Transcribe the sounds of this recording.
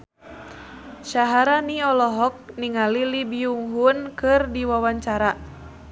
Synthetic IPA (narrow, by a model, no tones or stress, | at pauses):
ʃaɦaɾaniɔlɔɦɔk̚niŋalilibiuŋɦunkɨrdiwawaɲt͡ʃaɾa